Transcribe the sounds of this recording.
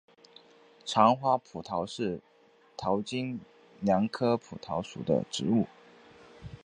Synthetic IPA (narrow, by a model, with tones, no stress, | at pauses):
ʈ͡ʂʰɑ˧˥ŋxwa˥pʰu˨˩t̪ʰɑ˧˥ʊʂɻ̩˥˩ | t̪ʰɑ˧˥ʊt͡ɕi˥n | ljɑ˧˥ŋkʰɤ˥pʰu˨˩t̪ʰɑ˧˥ʊʂṵ˨˩d̪ə̰˦ʈ͡ʂɻ̩˧˥u˥˩